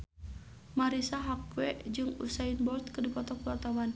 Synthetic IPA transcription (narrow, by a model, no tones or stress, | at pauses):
maɾisaɦak̚wɛd͡ʒɨŋṵsainbɔrt̪̚kədipɔt̪ɔk̚uart̪awan